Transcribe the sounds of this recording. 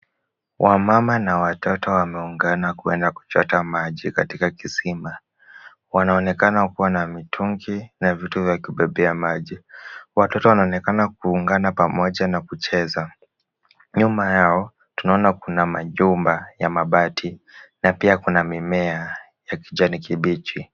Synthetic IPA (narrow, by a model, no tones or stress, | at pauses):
wʔamamanawatɔtɔwamɛuŋɡanakuɛndaku̥t͡ʃɔtamaʄikatikakisima | wanaɔnɛkanakuwanamitʰuŋɡinavituvjakiɓɛɓɛamaʄiwatɔtɔwanaɔnɛkanak̚uːŋɡanapamɔʄanakut͡ʃɛza | ɲumajaɔ | tunaɔnakunamaʄumbajamaɓatʰinapiakunamimɛa | jakiʄanikiɓit͡ʃi